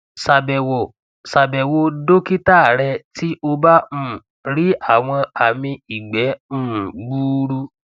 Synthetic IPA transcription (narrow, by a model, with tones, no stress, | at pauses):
sa˨bɛ˨wo˨ | sa˨bɛ˨wo˧do˦ki˦ta˦˨ɾɛ˧ti˦ʔo˧bã˦˨ | ɾi˦a˦˨w̃ɔ̃˧a˨mĩ˧i˨ɡ͡bɛ̃˨˦˨ɡ͡buː˦ɾu˦